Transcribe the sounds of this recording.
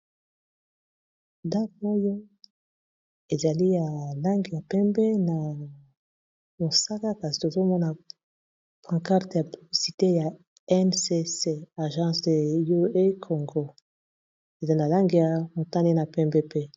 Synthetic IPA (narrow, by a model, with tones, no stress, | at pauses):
da˦ko˦jo˦ | e˨za˨li˦ja˨la˦ŋɡi˨ja˨pɛ˦mbɛ˦na˨ | mo˨sa˦ka˦ka˨zi˨to˨zo˦mɔ˦na˨ | pã˨ka˦ʁte˨a˨pi˨bi˨si˨te˦ja˨ | ɛ˦nse˦se˦a˨ʒɑ̃˦sde˨jo˦e˦kʰo˨ŋɡo˦ | e˨za˨li˦na˨la˦ŋɡi˨ja˨mo˨ta˦ni˦na˨pɛ˦mbɛ˦pe˦